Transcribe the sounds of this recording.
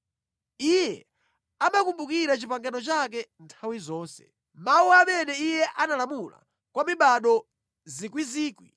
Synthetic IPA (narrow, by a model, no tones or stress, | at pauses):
ijɛ | amakumbukiɾat͡ʃipaŋɡanɔt͡ʃak̬ɛntʰawizɔːnsɛ̥̰ | mauamɛnɛijɛʔanalamula̰ | kwamiɓaɗɔ | zikwiziːkwi